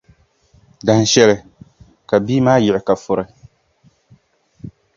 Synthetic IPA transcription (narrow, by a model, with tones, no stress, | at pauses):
da˨n̩˨ʃɛ˦lɪ˨ | ka˨biː˦maː˦jɪ˨ɪ˨ka˨fʊ˨ɾɪ˨